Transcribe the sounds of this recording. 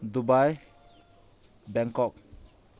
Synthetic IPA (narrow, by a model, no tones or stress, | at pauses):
d̪ubaj | bɛŋkɔk̚